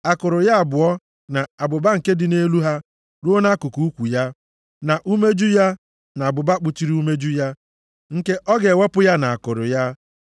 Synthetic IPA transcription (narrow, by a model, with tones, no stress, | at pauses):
a˨kʊ˨ɾʊ˨ja˦a˨bʊ˨ɔ˦ | na˨a˨bʊ˨ba˦ŋ̩˨ke˦dɪ˨ne˦lu˦ɦa˦ | ɾo˦na˦kʊ˨ku˨u˦kʷu˨ja˦ | na˨ʔu˦me˦d͡ʒu˦ja˦ | na˨a˨bʊ˨ba˦k͡pʊ˦t͡ʃi˦ɾi˦u˦me˦d͡ʒu˦ja˦ | ŋ̩˨ke˦ʔɔ˦ɡe˨we˦pʊ˦ja˦na˨a˨kʊ˨ɾʊ̰˨ja˦